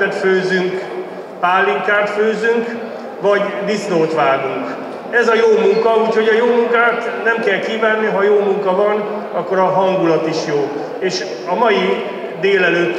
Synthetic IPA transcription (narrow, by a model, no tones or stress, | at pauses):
ɛt̪føːzyŋk | paːlːiŋkaːrt̪føːzyŋk | ʋɒɟd̪isnoːt̪ʋaːɡuŋk | ɛzɒjoːmuŋkɒuːcho̞ɟɒjoːmuŋkaːt̪nɛmkɛlkiːvaːnːiɦɒjoːmuŋkɒvɒn | ɒkːo̞ɾɒɦɒŋɡulɒt̪iʃjoː | eːʃ | ɒmɒji | d̪eːlɛløːt̪ː